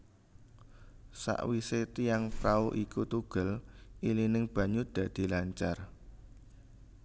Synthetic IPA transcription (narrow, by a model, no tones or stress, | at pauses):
sa̰ʔwiset̪ijaŋpɾauʔikut̪uɡ̥ə̤lilinɪŋb̥ä̤ɲud̪̥ä̤d̪̥i̤laɲt͡ʃar